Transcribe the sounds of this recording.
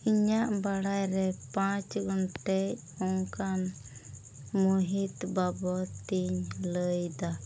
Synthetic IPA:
iɲaʔbaɽajɾɛpãt͡ʃɡɔnʈɛj | ɔŋkan | muɦit̪babɔt̪iɲləjd̪a

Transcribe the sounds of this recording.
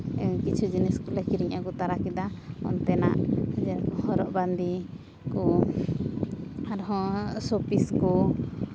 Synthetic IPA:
kit͡ʃʰud͡ʒinɛskɔlakiɾiɲʔakɔt̪aɾakid̪aɔ̰nt̪ɛna̰ʔd͡ʒɛɾakɔhɔɾɔʔband̪i | kɔ | aɾɔɦɔ̃sopiskɔ

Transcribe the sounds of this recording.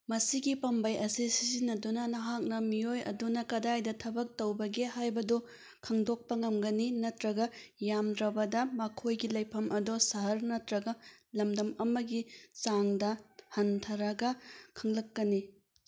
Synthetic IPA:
mɐsiɡipɐmbɐjɐsisizinːɐdunɐnɐɦak̚nɐmijojɐ̰dunɐkɐdajdɐtʰɐbɐk̚tɐwbɐɡehajbɐdu | kʰɐŋdok̚pɐŋɐmɡɐninɐtɾɐɡɐjamdɾɐbɐdɐmɐkʰojɡilɐjpʰɐmʔɐdosɐɦɐɾnɐtɾɐɡɐlɐmdɐmɐmɐɡit͡ʃaŋdɐhɐntʰɐɾɐɡɐkʰɐŋlɐkːɐni

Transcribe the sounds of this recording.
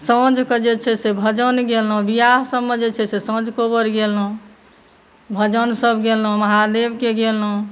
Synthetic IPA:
sə̃d͡ʒked͡ʒet͡ʃʰɛsebʱəd͡ʒənɡelɦũbijaɦsəbmed͡ʒet͡ʃʰɛsesə̃d͡ʒkobəɾɡelɦũ | bʱəd͡ʒənsəbʱɡelɦũməɦad̪ebkeɡelɦũ

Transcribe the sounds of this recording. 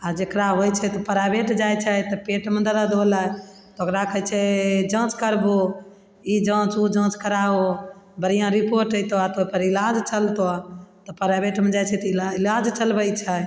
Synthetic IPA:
ad͡ʒekɾaɦojt͡ʃʰɛt̪ɔpəɾabeʈd͡ʒajt͡ʃʰɛt̪ɔpeʈmẽd̪əɾad̪ola | t̪ɔokɾakəjt͡ʃʰɛd͡ʒə̃t͡ʃkəɾbo | id͡ʒə̃t͡ʃud͡ʒə̃t͡ʃkəɾaobəɾijãɾipoɾʈəjt̪oat̪oipəɾilad͡ʒt͡ʃəlt̪oat̪ɔpəɾabeʈmẽd͡ʒajt͡ʃʰɛt̪ɔiailad͡ʒt͡ʃəlbəjt͡ʃʰɛ

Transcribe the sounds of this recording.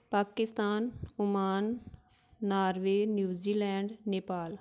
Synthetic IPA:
paːkɪst̪aːnʊmaːnː | aːɾʋeːnjuːziːlɛːɳɖneːpaːl

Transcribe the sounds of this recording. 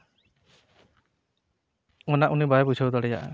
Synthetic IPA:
ɔnaʔunibajbud͡ʒʰʱawd̪ɔɽɛja̰ʔ

